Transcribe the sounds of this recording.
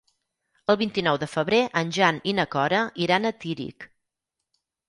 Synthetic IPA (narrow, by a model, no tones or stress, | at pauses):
əlˠβint̪inɔwðəfəβɾeʔənʲʒaninəkɔɾəiɾanət̪iɾḭk